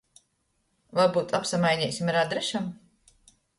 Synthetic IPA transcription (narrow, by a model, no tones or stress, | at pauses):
vaɾbuːt̪apsamajɲʲɛːsʲimaɾad̪ɾɛʃam